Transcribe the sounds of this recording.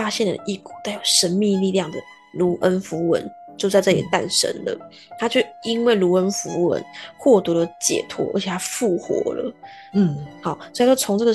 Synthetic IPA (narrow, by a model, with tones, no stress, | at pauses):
a˥ɕjɛ˥˩nd̪ə̰˩ʔi˥˩ku˨˩t͡s̪a˥˩ɪjo˨˩ʊʂə˦˥nmi˥˧ŋli˥˧ljɑ˥˩ŋd̪ə˩ | lu˧˥ʔə˦nfu˧˥wə̰˧˦nt͡ɕjo˥˧ʊt͡sa˥˧ɪʈ͡ʂɤ˥˩ḭ˨˩t̪a̰˥˩nʂə̰˦˥nlə̰˨ | t̪ʰa˥t͡ɕjo˥˩ʊi˦˥nwe˥˩ɪlu˧˥ə˦˥nfu˧˥wə̰˧˦nxwɔ˥˩t̪u˧˥lə˧t͡ɕjɛ̰˨˩t̪ʰwɔ̰˧˥ʔə̰˞˧˥t͡ɕʰɛ˨˩t̪ʰa˥fu˥˩xwɔ̰˧˥˦lə̰˨˩ | xɑ˨˩ʊswo˧˨a˥t͡ɕo˥˩t͡sʰo˧˥ŋʈ͡ʂɤ˥˩ɡə˩˨